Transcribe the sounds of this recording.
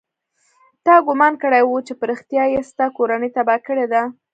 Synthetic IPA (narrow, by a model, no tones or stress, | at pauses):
t̪ɑɡʊmɑnkəɽajwut͡ʃepəɾixt̪jɑjest̪akoɾanəjt̪abɑkəɽed̪a